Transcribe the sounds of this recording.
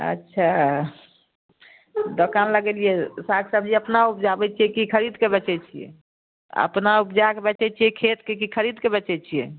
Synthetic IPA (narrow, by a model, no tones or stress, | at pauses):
ə̰tːʃʰa | d̪okanləɡelijɛsakʰsəb̚d͡ʒiəpnaup̚d͡ʒabɛt͡ʃʰijɛkikʰəɾid̪kebɛt͡ʃɛt͡ʃʰijḛ | ə̰pnaupd͡ʒakebɛt͡ʃɛt͡ʃʰijɛkʰet̪kekikʰəɾid̪kebət͡ʃɛt͡ʃʰijɛ